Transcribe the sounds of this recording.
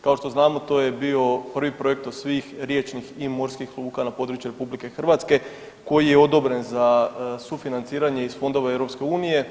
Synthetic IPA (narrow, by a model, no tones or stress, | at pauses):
kao̞ʃt̪o̞znaːmot̪o̞ːje̞bio̞pr̩ʋipɾo̞je̞k̚t̪osʋixɾjet͡ʃniximo̞ɾskixlˠuːkanapo̞d̪ɾut͡ʃjuɾe̞publike̞xr̩ʋat̪ske̞ | ko̞jijeo̞d̪o̞bɾe̞nzasufinant̪siːɾaɲe̞isfo̞nd̪o̞ʋaevɾo̞pske̞uːnije̞